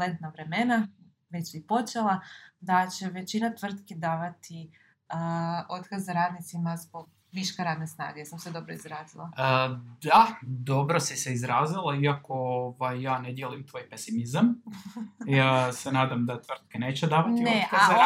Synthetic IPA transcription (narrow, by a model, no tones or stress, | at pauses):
lent̪naʋɾe̞mena | ʋet͡ɕipo̞t͡ʃelˠad̪at͡ɕe̞ʋe̞t͡ɕinat̪ʋr̩t̪ked̪aːʋat̪i | əot̪kazːaɾaːd̪nit̪simazbo̞ɡ̚ | ʋiʃkeɾaːd̪nesna̰ːɡesamsed̪o̞bɾoizɾaːzilˠad̪ad̪o̞bɾo̞siseizɾaːzilˠaiako̞oʋajːaːned̪jeluimt̪ʋo̞jpesimizam | asenaːd̪amd̪at̪ʋr̩t̪̚kene̞ːt͡ɕed̪aːʋat̪nioekaaza